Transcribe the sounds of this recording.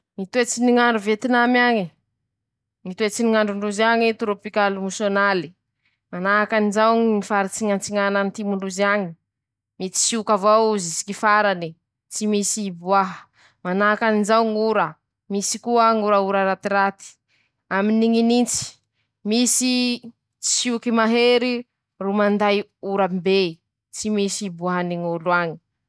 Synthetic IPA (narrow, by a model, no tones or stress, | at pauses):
ŋit̪uet͡siniŋaɳɖ͡ʐuvet̪inamaɲi | ŋit̪uet͡siniŋaɳɖ͡ʐuɳɖ͡ʐuzaŋit̪uɾopikalumusonali̥ | manaakanizawŋifaɾit͡siŋant͡siŋananit̪imuɳɖ͡ʐuzaɲi | mit͡si̥siukavawuzisi̥kifaɾani | t͡simisibuaɦə | manaakanizawŋuɾə | misikuaŋuɾauɾaɾat̪iɾat̪i̥ | aminiŋinint͡si̥ | misi | t͡si̥sukimaɦeɾi | rumand̪ajuɾambe | t͡simisibuaɦaniŋuluaɲi̥